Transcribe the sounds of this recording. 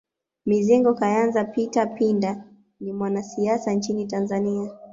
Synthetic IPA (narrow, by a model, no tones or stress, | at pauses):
miziŋɡɔkajanzapitapinda | nimwanasiasant͡ʃinitanzania